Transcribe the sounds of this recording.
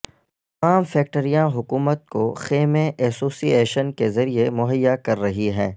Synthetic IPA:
aːmfɛːk̚ʈəɾijãɦʊkuːmət̪̚koxeːmẽʔɛːsoːsieːʃənkezɐɾiemʊɦəjːakɐɾːɐɦiɦɛ̃ː

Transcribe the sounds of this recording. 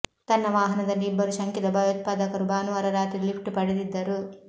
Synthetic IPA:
t̪ɐnːɐʋaːɦɐnɐd̪ɐlːiːbːɐɾuʃɐŋkid̪ɐbɐjɔt̪̚paːd̪ɐkɐɾubaːnuʋɐɾɐɾaːt̪ilipʰʈupɐɽid̪id̪ːɐɾu

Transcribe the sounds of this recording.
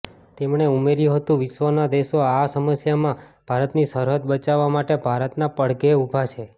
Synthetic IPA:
t̪emɳeumeɾjũɦət̪ũʋɪʃʋənad̪eʃoasəməsjamãb̥ʱaɾət̪nisəɾɦət̪̚bət͡ʃaʋːamaʈebʱaɾət̪napəɽɡeubʱat͡ʃʰe

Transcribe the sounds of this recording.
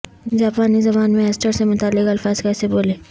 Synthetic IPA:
d͡ʒaːpaːnizɐbaːnmẽɛsʈəɾsemʊt̪aːlːɪkɐlfaːzkɛːseboːleː

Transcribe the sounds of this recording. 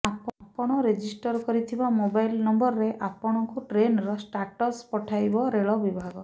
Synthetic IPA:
appɔɽ̃ɔɾed͡ʒisʈɔɾkɔɾit̪ʰibamobajlnɔmbɔɾɔɾeʔapɔɽ̃ɔŋkuʈɾenɾɔsʈaɾʈɔspɔʈʰajbɔɾeɭɔbibʱaɡɔ

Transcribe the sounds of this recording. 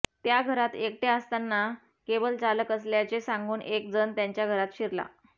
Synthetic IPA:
t̪jaɡʱəɾat̪ek̚ʈeəst̪anːa | kebəlt͡saləkəsljat͡ɕesãŋɡuːnʔekd͡zənt̪jaɲt͡ɕjaɡʱəɾat̪ɕiɾla̰

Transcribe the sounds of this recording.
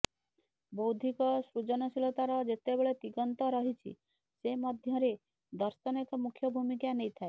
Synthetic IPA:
bowd̪ʱikɔsɾud͡ʒɔnɔsilɔt̪aɾɔd͡ʒet̪ebeɭet̪iɡɔnt̪ɔɾɔɦit͡ʃʰḭ | semɔd̪ʱjɔɾe | d̪ɔɾsɔnekɔmukʰjɔbʱumikanejt̪ʰae

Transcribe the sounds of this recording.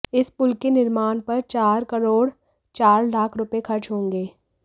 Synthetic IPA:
ɪspʊlkenɪɾmaːnpɐɾt͡ʃaːɾkɐɾoːɽ | t͡ʃaːɾlaːkʰɾʊpekʰɐɾt͡ʃɦõːŋɡeː

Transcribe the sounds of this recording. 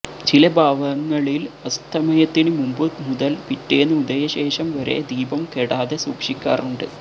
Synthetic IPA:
t͡ɕilɐbʱaːʋɐŋːɐɭilɐst̪ʰɐmɐjɐt̪ːinɨmumbɨmuðɐlpitːeːnːɨud̪ejɐɕe̞ːʂɐmʋɐɾe̞̰d̪iːbɐmkeɽaːðesuːkʂikʲːa̰ːruɳɖɨ

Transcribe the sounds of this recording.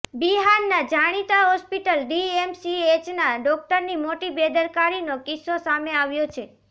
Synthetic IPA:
biɦaɾnad͡ʒaɽ̃it̪aɦɔspiʈəlɖiemsiet͡ʃnaɖɔk̚ʈəɾnimoʈibed̪əɾkaɾinokisːosameaʋjot͡ʃʰe

